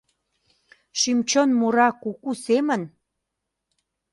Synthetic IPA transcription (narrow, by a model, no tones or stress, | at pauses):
ʃimt͡ɕonmuɾɑkukusemən